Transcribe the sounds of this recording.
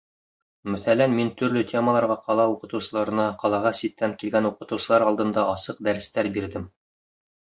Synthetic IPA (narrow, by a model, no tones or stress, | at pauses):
mæθælænmint̪ɵ̆ɾlɵt̪ʲʰe̞məlˠɑɾʁɑqɑlˠɑuqɤ̆t̪ɤ̆wsɤ̆lˠɑɾɤ̆nɑqɑlˠɑʁɑsit̪ːæŋkilɡænuqɤ̆t̪ɤ̆wsɤ̆lˠɑɾɑlˠd̪ɤ̆nd̪ɑʔɑsɤq̚d̪æɾɘ̆st̪æɾbiɾd̪ɘm